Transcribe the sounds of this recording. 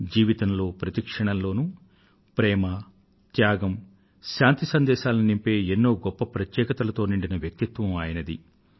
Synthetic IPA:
d͡ʒiːʋit̪ɐmlo̞ːpɾɐt̪ikʂɐɳɐmlo̞ːnu | pɾɛːmɐ | t̪jaːɡɐm | ʃaːnt̪isɐnd̪ɛːʃaːlɐinimpe̞ːenːo̞ːɡɔpːɐpɾɐt̪jɛːkɐt̪ɐlɐt̪o̞ːniɳɖinɐʋjɐk̚t̪it̪ʋɐmaːjɐnɐd̪ḭ

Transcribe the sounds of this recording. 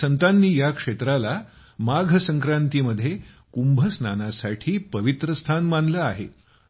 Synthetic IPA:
sənt̪anːiːjakʂet̪ɾala | maɡʱəsəŋkɾant̪iːməd̪ʱːje | kumbʱəsnanasaʈʰiːpəʋit̪ɾəst̪ʰanmanləaɦḛ

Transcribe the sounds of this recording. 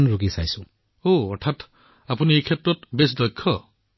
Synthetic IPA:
nɹuɡisajsʊ̃ | oɔɹtʰat | apuniejkʰetɹɔtbes̬dɔjkʰːɔ

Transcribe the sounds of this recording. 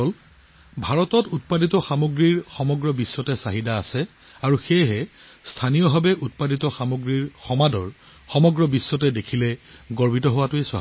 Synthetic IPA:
ɔl | bʱaɹɔtɔtut̚paditɔxamoɡɹiɹxɔmɔɡɹɔbisːɔtɛsaɦidaːsɛ | aɹuxejɦɛ | stʰanijɔbʱabɛʔut̚paditɔxamoɡɹiɹxɔmadɔɹ | xɔmɔɡɹɔbisːɔtɛdekʰilɛɡɔɹbʱitɔɦʊwatʊeswa̰ɦ

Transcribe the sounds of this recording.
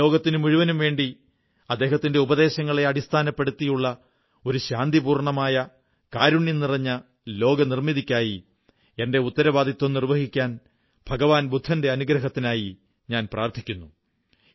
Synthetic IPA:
o̞ːɡɐt̪ːinɨmuɻuʋɐnumʋe̞ːɳɖi | ɐd̪ːe̞ːɦɐt̪ːinde̞ubɐðe̞ːɕɐŋːɐɭe̞ɐɽist̪ʰaːnɐpːe̞ɽut̪ːijuɭːɐ | o̞ɾuɕaːnd̪ibuːrɳɐmaːjɐ | kaːɾuɳjɐnirɐɲːɐ | lo̞ːɡɐnirmiðikʲːaːji | e̞nde̞ut̪ːɐɾɐʋaːd̪it̪ːomnirʋɐɦikʲːaːn | b̥ʱɐɡɐʋaːnbʱud̪ʱːɐnde̞ɐnuɡɾɐɦɐt̪ːinaːji | ɲaːnpraːrt̪ʰikʲːunːu

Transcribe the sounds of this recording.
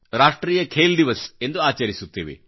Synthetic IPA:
ɾaːʂʈɾiːjɐkʰeːld̪iʋɐse̞nd̪uaːt͡ʃɐɾisut̪ːiːʋḛ

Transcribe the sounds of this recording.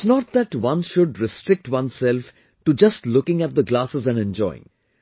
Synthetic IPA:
ɪsnɔʈ̚d̪æʈwʌ̃nʃʊɖɾɪsʈɾɪk̚ʈwʌ̃nsɛlf | ʈud͡ʒʌsʈlʊkɪ̃ŋæʈ̚d̪əɡlaːsəzæ̃nɛ̃nd͡ʒɔ̰ɪɪ̰̃ŋ

